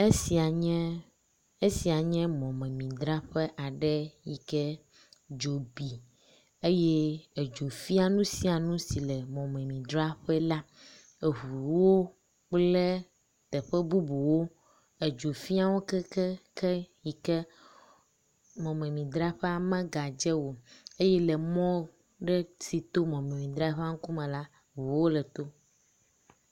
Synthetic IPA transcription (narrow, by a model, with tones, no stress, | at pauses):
e˦si˨a˨ɲɛ̃˦ | e˦si˨a˨ɲɛ̃˦mɔ̃˨mɛ̃˨mĩ˨d̪ɾa˦ɸɛ˦ʔa˨ɖɛ˦ji˨kɛ˦ | d͡ʒo˨bi˨ | e˦jɛ˦e˨d͡ʒo˨fi˦a˨nũ˦si˦a˨nũ˦si˨lɛ˨mɔ̃˨mɛ̃˨mĩ˨d̪ɾa˦ɸɛ˦la˦ | e˨ɦu˨wo˦ | k͡plɛ˦ | t̪ɛ˨ɸɛ˦bu˦bu˨wo˦ | e˨d͡ʒo˨fi˦a˦wo˦kɛ˦kɛ˦kɛ˦ji˨kɛ˦ | mɔ̃˨mẽ˨mĩ˨d̪ɾa˦ɸe˦a˨mɛ̃˦ɡa˨d͡ʒɛ˦wo˨e˦jɛ˦lɛ˨mɔ̃˦ | ɖɛ˦si˨t̪o˦mɔ̃˨mẽ˨mĩ˨d̪ɾa˦ɸe˦a˦ŋ̩˦ku˦mɛ̃˨la˦ | ɦu˨wo˦lɛ˨t̪o˦